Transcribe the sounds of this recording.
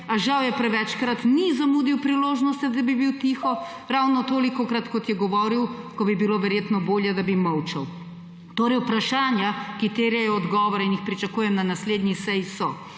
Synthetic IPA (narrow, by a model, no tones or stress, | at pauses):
aʒawjɛpɾɛʋɛt͡ʃkɾat̪nizamuːd̪iwpɾiloːʒnɔst̪ɛd̪abibiwt̪ixɔ | ɾawnɔt̪oːlikɔkɾat̪kɔt̪jɛɡɔʋɔːɾiwkɔbibiloːʋɛɾjeːt̪nɔboːljɛd̪abimɔwt͡ʃɛw | t̪oːɾɛjpɾaʃaːnjakit̪eɾjɛjɔːd̪ɡɔːʋɔɾɛinixpɾit͡ʃakuːjɛmnanasleːd̪nisɛjsɔ